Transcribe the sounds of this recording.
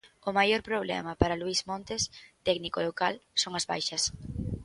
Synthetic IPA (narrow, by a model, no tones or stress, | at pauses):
ʊmajoɾpɾoβlɛ̰mɐpaɾaluizmõnt̪est̪ɛknikolokalsoŋɐzβa̰jʃɐs